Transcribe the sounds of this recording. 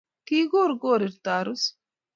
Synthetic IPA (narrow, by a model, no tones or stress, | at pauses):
kiːɡoːɾɡoːɾiɾt̪aːɾus